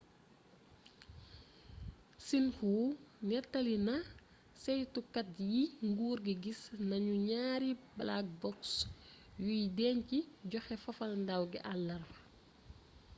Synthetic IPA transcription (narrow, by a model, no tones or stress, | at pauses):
sinxunɛtːɐlinɐ | sɛjtukɐt̚jiŋɡuːrɡiɡisnɐɲuɲaːɾiblak̚bɔksjujidɛːɲciɟɔxɛfɐfɐlndawɡiʔɐlːɐr